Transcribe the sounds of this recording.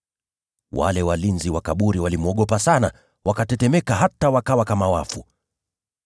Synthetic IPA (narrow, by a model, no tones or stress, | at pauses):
wa̰lɛwalinziwakaɓuɾiwalimuɔɠɔpasana | wʔakatɛtɛmɛkaɦatawakawakamawafu